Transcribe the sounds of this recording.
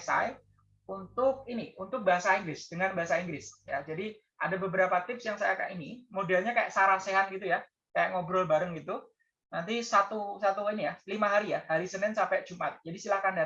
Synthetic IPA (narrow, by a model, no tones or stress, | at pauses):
sa̰j | unt̪ʊk̚iniunt̪ʊk̚baɦasaiŋɡɾɪsd̥əŋanbaɦasaiŋɡɾɪsja̰d͡ʒadi | ʔa̰dabəbəɾapat̪ɪpsjaŋsajakaja̰ʔinimodɛlɲakaja̰ʔsaɾaseɦanɡit̪̬uja | kajaʔŋobɾɔlbaɾəŋɡit̪u | nant̪isat̪usat̪uinijalimaɦaɾijahaɾisənɪnsampɛd͡ʒumʔat̪̚d͡ʒadisilahkanda